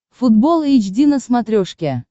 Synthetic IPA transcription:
fud̪bolˠit͡ɕdʲinəsmat̪ɾʲoʂkʲe

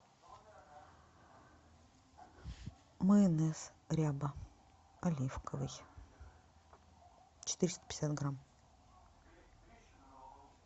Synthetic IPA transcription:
mɨɛnɛsɾʲabə | ɐlʲifkʰəvɨj | t͡ɕɪ̥t̪ɨɾʲɪst̪ə̥pɪ̥sʲat̪ɡram

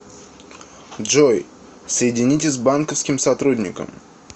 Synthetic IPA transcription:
ʐoj | səjɪdʲɪnʲit̬ʲɪsʲbankəfskʲɪmsɐt̪ɾudʲnʲɪ̰kə̰m

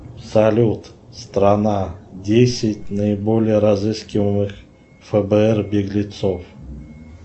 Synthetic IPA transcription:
salʲut̪st̪ɾanadʲesʲɪtʲnəɪbolʲɪjəɾazɨskʲɪvəmɨx | fəbəɛrbʲeɡlʲɪt̪sof

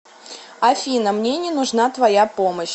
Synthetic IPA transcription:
ɐfʲinəmnʲenʲɪnʊʐnat̪vɐjapoməɕ

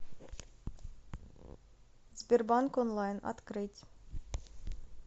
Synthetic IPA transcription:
zbʲerbankonlˠɑjnɑ̰t̪kɾɨtʲ

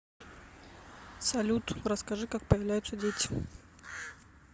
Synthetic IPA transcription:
sɐlʲut̪ɾəskɐʐɨkak̚pəjvlʲæjʊt̪sədʲetʲɪ̥

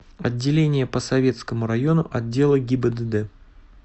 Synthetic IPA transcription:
ɐdʲːɪlʲenʲɪjəpəsɐvʲe̞t̪skəmʊɾɐjo̞nʊʔɐdʲːe̞lˠəɡʲɪbəd̪əd̪ɛ

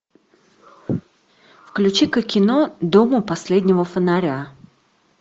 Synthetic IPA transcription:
fklʲʉt͡ɕikəkʲːɪnod̪omʊpɐsʲlʲedʲnʲɪvəfənaɾʲa

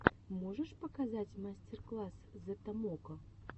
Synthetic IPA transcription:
mɔʐɛʂpɐkazat͡sʲmasʲt͡sʲɛrklˠaszɐt̪amɔkɐ

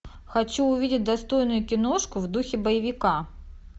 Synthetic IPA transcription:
xɐt͡ɕuːvʲidʲɪt̚ʲd̪ɐst̪o̞jnʊjʊkʲɪno̞ʂkʊvd̪uxʲɪbəjɪvʲɪka

